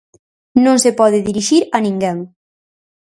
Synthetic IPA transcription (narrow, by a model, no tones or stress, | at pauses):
nõŋsepɔðɪðiɾiʃiɾɐnĩŋɡɛŋ